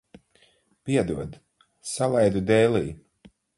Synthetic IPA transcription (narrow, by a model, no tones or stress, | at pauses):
piɛd̪uɔd̪ | salˠajd̪ud̪ɛːliː